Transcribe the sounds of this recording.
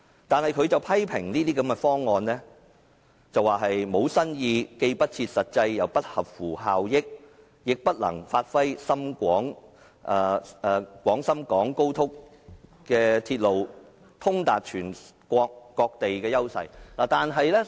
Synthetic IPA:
t̪aː˨nhɐ˨jkʰɵ˨˧ɥt͡sɐ˨wpʰɐ˥jpʰɪ˨˩ŋniː˥t̪iː˥kɐ˨˥mkɛ˧fɔː˥ŋːɔː˨˧nlɛː˥ | t͡sɐ˨waː˨ɦɐ˨jmo˨˧wsɐ˥njiː˧ke˧jpɐ˥t̚t͡sʰiː˧t̚sɐ˨t̚t͡sɐ˧jjɐ˨wpɐ˥t̚hɐ˨p̚fuː˨˩ɦaː˨wjɪ˥k̚ | jɪ˨k̚pɐ˥t̚lɐ̰˨˩ŋfaː˧t̚fɐ˥jsɐ˥mkʷɔː˨˥ŋ | ʔɛː˨ɛː˨˧kʷɔː˨˥ŋsɐ˥mkɔː˨˥ŋko˥wt̪ʰʊ˥k | kɛː˧t̪ʰiː˧t̚lo˨w | t̪ʰʊ˥ŋt̪aː˨t̚t͡ʃʰyː˨˩nkʷɔː˧kːɔː˧k̚t̪e˨jkɛː˧jɐ˥wsɐ̰˨jlaː˨˩t̪aː˨nɦɐ˨jlɛː˥

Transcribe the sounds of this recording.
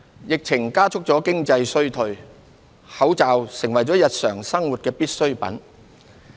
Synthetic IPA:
jɪ˨k̚t͡sʰɪ˨˩ŋkaː˥t͡sʰʊ˥k̚t͡sɔː˨˥kɪ˥ŋt͡sɐ˧jsɵ˥ɥt̪ʰɵ˧ɥ | hɐ˨˥wt͡saː˨wsɪ˨˩ŋwɐ˨˩jt͡sɔː˨˥jɐ˨t̚sœː˨˩ŋsɐ˥ŋwu˨t̚kɛː˧piː˥t̚sɵ˥ɥpɐ̰˨˥n

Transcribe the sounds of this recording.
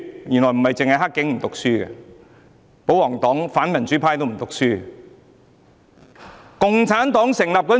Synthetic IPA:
jy˨˩nlɔː˨˩jm̩˨˩mɐ˨jt͡sɪ˨ŋhɐ˨jɦa˥kːɪ˨˥ŋm̩˨˩t̪ʊ˨k̚syː˥ɡɛ̰˧ | po˨˥wlɔː˨˩ŋt̪ɔː˨˥ŋfaː˨˥nmɐ˨˩nt͡ʃyː˨˥pʰaː˥jt̪o˥wm̩˨˩t̪ʊ˨k̚syː˥ | kʊ˨ŋt͡sʰaː˨˥nt̪ɔː˨˥ŋsɪ˨˩ŋlɐː˨p̚kɔː˧˥

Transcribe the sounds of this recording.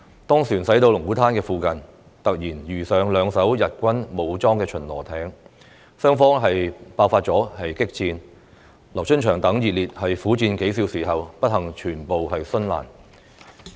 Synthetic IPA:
t̪ɔː˥ŋsyː˨˩nsɐ˨˥jt̪o˧wlʊ˨˩ŋkuː˨˥t̪ʰaː˥nkɛː˧fuː˨˧kɐ˨n | t̪ɐ˨k̚jiː˨˩njyː˨˩sœː˨˧ŋlœː˨˧ŋsɐ˨˥wjɐ˨t̚kʷɐ˥nmo˨˧wt͡sɔː˥ŋkɛː˧t͡ʃʰɵ˨˩nlɔ̰ː˨˩t̪ʰɛː˨˥ŋ | sœː˥ŋfɔː˥ŋɦɐ˨jpaː˥wfaː˧t̚t͡sɔː˨˥hɐ˨jkɪ˥k̚t͡siː˧n | lɐ˨˩wt͡ʃʰɵ˥nt͡ʃʰœː˨˩ŋt̪ɐ˨˥ŋjiː˨t̚liː˨t̚hɐ˨jfuː˨˥t͡siː˧nke˨˥js̬iː˨˥wsiː˨˩ɦɐ˨wpɐ˥t̚hɐ˨˩ŋt͡ʃʰyː˨˩npo˨wɦɐ˨jsɵ˥nla̰ː˨˩n

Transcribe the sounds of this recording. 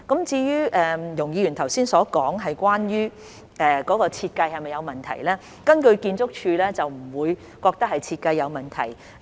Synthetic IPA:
kɐ˨˥mt͡siː˧jyː˥ʔɛː˨jʊ˨˩ŋjiː˧jyː˨˩nt̪ʰɐ˨˩wsiː˥nsɔː˨˥kɔː˨˥ŋɦɐ˨jkwaː˥njyː˥ | ʔɛː˨˧kɔː˨˥kɔː˧t͡sʰiː˧t̚kɐ˧jhɐ˨jmɐ˨jɐ˨˧wmɐ˨nt̪ʰɐ̰˨˩jlɛː˥ | kɐ˥nkɵ˧ɥkiː˧nt͡sʊ˥k̚t͡ʃʰyː˧lɛː˥t͡sɐ˨wm̩˨˩wuː˨˧j | kɔː˧k̚t̪ɐ˥k̚hɐ˨jt͡sʰiː˧t̚kɐ˧jːɐ˨˧wmɐ˨˩nt̪ʰɐ̰˨˩j

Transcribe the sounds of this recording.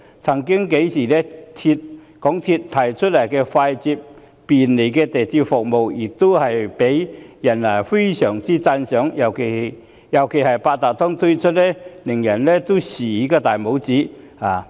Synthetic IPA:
t͡sʰɐ˨˩ŋkɪ˥ŋke˨˥jsiː˨˩lɛː˥t̪ʰi˧t̚ | kɔː˨˥ŋt̪ʰiː˧t̚t̪ʰːɐ˨˩jt͡ʃʰɵ˥t̚lɐ˨˩jkɛː˧faː˧jt͡siː˧p̚ː | iː˨nle˨˩jkɛː˧t̪e˨˩t̪ʰiː˧p̚fʊ˨k̚mo˨wjɪ˨˩k̚t̪o˥whɐ˨jpe˨˥jjɐ˨˩nlaː˨˩jfe˥jsœː˨˩ŋt͡siː˥t͡sɐ˧nsœː˨˥ŋjɐ˨˩wkʰe˨˩˨ | jɐ˨˩wkʰe˨˩jhɐ˨˩jpaː˧t̚t̪aː˨t̚t̪ʰɔ˥ŋt̪ʰɵ˥jt͡ʃʰɵ˥t̚lɛː˥lɪ˨˩ŋjɐ˨˩nlɛː˥t̪o˥wsiː˨˩i˨˥kaː˧t̪aː˨jmo˨˥wt͡siː˨˥ | haː˨

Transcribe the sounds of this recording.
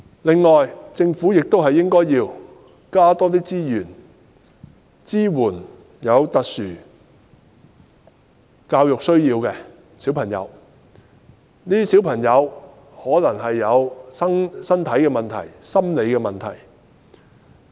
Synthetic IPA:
lɪ˨ŋːɔː˨jt͡sɪ˧ŋfuː˨˥jɪ˨k̚t̪o˥whɐ˨jɪ˥ŋkɔː˥jiː˧w | kaː˥t̪ɔː˥t̪iː˥t͡siː˥jyː˨˩n | t͡siː˥wuː˨˩n | jɐ˨˧wt̪ɐ˨k̚syː˨˩ | kaː˧wjʊ˨k̚sɵ˥ɥjiː˧wkɛː˧ | siː˨˥wpʰɐ˨˩ŋjɐ̰˨˧w | niː˥si˨˥wpʰɐ˨˩ŋjɐ˨˧w | hɔː˨˥lɐ˨˩ŋɦɐ˨jːɐ˨˧wsɐ˥ŋsɐ˥nt̪ʰɐ˨˥jkɛː˧mɐ˨nt̪ʰɐ̰˨˩jsɐ˥mle˨˧jkɛː˧mɐ˨˩nt̪ʰɐ˨˩j

